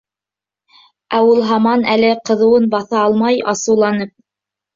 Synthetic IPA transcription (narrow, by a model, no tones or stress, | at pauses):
æwulˠɦɑmɑnælɘqɤ̆ðɤ̆wɤnbɑθɑɑlˠmɑjɑsɤ̆wlˠɑnɤp̚